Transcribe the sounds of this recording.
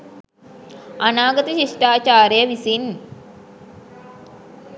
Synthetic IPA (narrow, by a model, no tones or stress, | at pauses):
anaːɡət̪əɕiʂʈaːt͡ʃaːɾejəʋisin